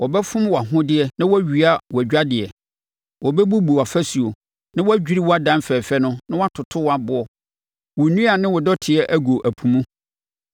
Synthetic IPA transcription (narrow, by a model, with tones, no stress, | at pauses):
wʔɔ˨bɛ˦fʊ̃˦mwɔ˨a˨ɦʊ̃˦dɪ˦ɛ˨nã˦wɔ˦æ˦ɥi˨a˦wɔ˨æ˨d͡ʑᶣa˦dɪ˨ɛ˨ | wɔ˨bɛ˦bu˦bu˨a˨fæ˦su˨o˨ | nã˦wɔ˦æ˦d͡ʑᶣi˦ɾi˦wɔ˦a˦dã˦mfɛː˨fɛ˦nʊ̃˦nã˦wɔ˦a˦tʰʊ˨tʰʊ˦wa˨bʊ˨ɔ˨ | wɔ˨nũ˦a˨nɪ̃˦wɔ˨dɔ˦tʰɪ˨ɛ˦ʔæ˦ɡo˨ʔæ˨pʰũ˨mũ˦